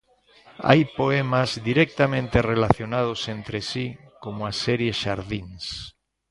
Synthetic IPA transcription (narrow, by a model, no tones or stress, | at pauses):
a̰jpoɛmazd̪iɾɛk̚t̪amẽnt̪erelaθjonað̞osent̪ɾesi | komʊasɛɾjeʃaɾðiŋs